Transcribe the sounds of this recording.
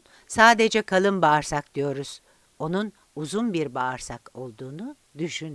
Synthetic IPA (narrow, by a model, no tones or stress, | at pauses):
saːd̪ed͡ʒɛkʰalˠɯmbaːɾsak̚d̪̥ijo̞ɾuz̥ | o̞nun | uzunbiɾbaːɾsako̞lˠd̪uːnu | d̪yʃyn